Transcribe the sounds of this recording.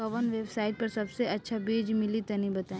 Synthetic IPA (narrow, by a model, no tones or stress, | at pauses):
ɐʋənʋeːbsaːɪʈ̚pɐɾsɐbseʔɐtːʃʰabiːd͡ʒmɪlit̪ɐnĩbɐt̪ãː